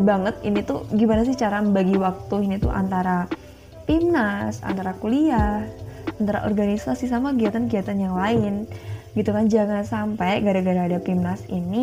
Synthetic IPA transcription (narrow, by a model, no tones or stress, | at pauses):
baŋət̪̚init̪ṵɡimanasɪht͡ʃaɾambaɡiwak̚t̪uinit̪ṵʔa̰nt̪aɾa | pimnasa̰nt̪aɾakuliahant̪aɾa̰ʔɔ̰rɡanisasisamakiat̪ankiat̪anjaŋlaɪnɡit̪ukand͡ʒaŋansampajɡaɾaɡaɾaːdapimnasḭni